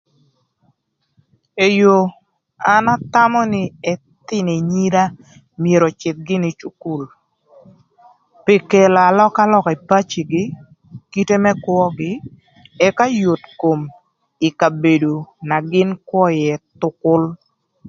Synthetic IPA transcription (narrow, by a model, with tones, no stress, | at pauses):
e˨jo˨ | a˨na˦ta˦mɔ˦nɪ˦ɛ˦ | t̪ɪ˦ne˨ɲi˦ɾa˦ | mje˨ɾɔ˨t͡ʃɪ˨t̪̚ɡɪ˦nɪ˦t͡ʃu˨˦ku˦˨l | pe˨ke˨la˨a˨lɔ˦ka˦lɔ˦kɛ˨pa˦t͡ʃi˨ɡɪ˦ | ki˦te˦mɛ˦kwɔ˦ɡɪ˦ | ɛ˦ka˦jo˨tko˨m | ɪ˨ka˨be˨do˨na˨ɡɪ˦nkwɔ˦jɛ˨tʊ˨kʊ˦l